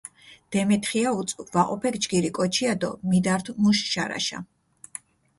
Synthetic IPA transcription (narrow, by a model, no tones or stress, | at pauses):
d̪̥ɛmɛt̪ʰχiaut̪sʼvaqʼɔpʰɛkd͡ʒɡiɾikʼɔt͡ʃʰiad̪ɔ̰mid̪aɾt̪ʰmuʃʃaɾa̰ʃa̰